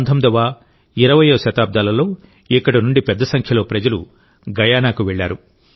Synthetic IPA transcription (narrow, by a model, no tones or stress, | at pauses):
nd̪ʰʱɐmd̪ɐʋaː | iɾɐʋɐjoːʃɐt̪aːb̚d̪aːlɐlo̞ː | ikːɐɽunuɳɖipɛd̪ːɐsɐŋkʰjɐlo̞ːpɾɐd͡ʒɐlu | ɡɐjaːnaːkuʋɛɭːaːɾu